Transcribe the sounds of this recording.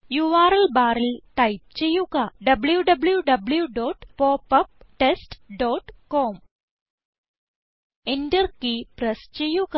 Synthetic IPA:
juʋaːɾəlbaɾəlʈaip̚t͡ɕejukaɖɐbljuɖəbljuɖɐbljuɖɔːʈpɔpəp̚ʈesʈɖɔːʈkɔm | eɳʈəɾkiːpɾəst͡ɕejuka

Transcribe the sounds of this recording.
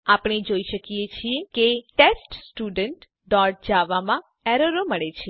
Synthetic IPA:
apɽ̃ed͡ʒoiʃəkijet͡ʃʰiekeʈesʈsʈuɖəɳʈ | d̪ɔɾʈ̚d͡ʒaʋamã | ɛɾəɾoməɭet͡ʃʰe

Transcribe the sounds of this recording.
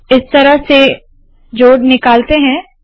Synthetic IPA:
ɪst̪ɐɾəɦse | d͡ʒoːɽnɪkaːlt̪eɦɛ̃ː

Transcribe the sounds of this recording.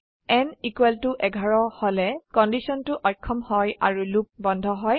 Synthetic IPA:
ɛnikuwɛltuʔɛɡʱaɹɔhɔlɛkɔndisɔntʊʔɔjkʰːɔmhɔja̰ɹulup̚bɔndʱɔɦɔj

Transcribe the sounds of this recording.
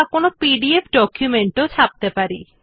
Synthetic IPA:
konopiɖiepʰɖɔkjumeɳʈot͡ɕʰap̚t̪epaɾi

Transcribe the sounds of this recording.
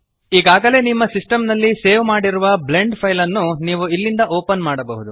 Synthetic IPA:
iːɡaːɡɐle̞ːnimːɐsisʈɐmnɐlːise̞ːʋmaːɽiɾuʋɐble̞ɳɖpʰɐjlɐnːuniːʋuilːind̪ɐʔoːpɐnmaːɽɐbɐɦud̪u

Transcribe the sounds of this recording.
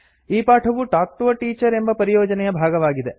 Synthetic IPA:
iːpaːʈʰɐʋuʈaːk̚t̪ʋɐʈiːt͡ʃɐɾe̞mbɐpɐɾijɔːd͡ʒɐnɛjɐbʱaːɡɐʋaːɡid̪e

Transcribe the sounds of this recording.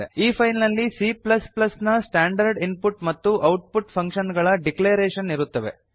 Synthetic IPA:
ḛiːpʰɐjnnɐlːisiplɐsplɐsnɐsʈaːɳɖɐɾɖinpuʈmɐt̪ːuʔɐwʈ̚puʈpʰɐŋkʃɐnɡɐɭɐɖikleːɾeːʃɐniɾut̪ːɐʋe̞̰

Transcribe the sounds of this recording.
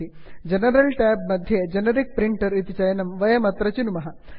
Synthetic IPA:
i | d͡ʒɐnɐɾɐlʈaːb̚mɐd̪ʱjɐd͡ʒɐnɐɾik̚pɾiɳʈɐɾit̪it͡ʃɐjɐnɐmʋɐjɐmɐt̪ɾɐt͡ʃunumɐɦɐ

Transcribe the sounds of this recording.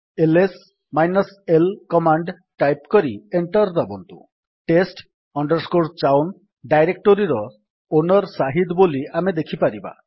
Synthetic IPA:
eles | majnɔselkɔmaɳɖ | ʈajpkɔɾieɳʈɔɾd̪abɔnt̪ṵ | ʈesʈ | ɔɳɖɔɾskoɾt͡ʃawn | ɖajɾek̚ʈoɾiɾɔ | onɔɾsaɦid̪boliamed̪ekʰipaɾiba̰

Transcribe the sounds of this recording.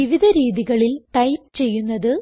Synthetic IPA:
iʋiðʱɐɾiːðiɣɐɭilʈɐjmt͡ɕe̞jːunːɐðɨ

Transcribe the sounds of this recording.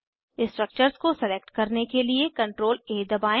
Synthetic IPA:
ɪ̃sʈɾək̚t͡ʃəɾzkosɛleːk̚ʈkɐɾnekeliekɐ̃ɳʈɾoːleːd̪ɐbaːẽ

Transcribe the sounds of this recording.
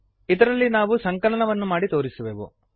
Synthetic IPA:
id̪ɐɾɐlːinaːʋusɐŋkɐɭɐɳɐʋɐnːumaːɽit̪o̞ːɾisuʋeːʋṵ

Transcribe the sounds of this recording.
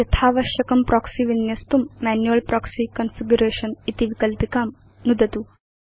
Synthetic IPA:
jɐt̪ʰaːʋɐʃjɐkɐmpɾʔɔksiʋinjɐst̪umːænjuɐlpɾʔɔksikɐnfiɡjuɾeːʃɐnit̪iʋikəlpikaːm | nud̪ʱɐt̪u

